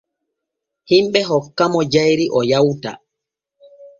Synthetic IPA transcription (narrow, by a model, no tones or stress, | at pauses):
himɓɛɦɔkːamɔd͡ʒajɾiʔɔjawta̰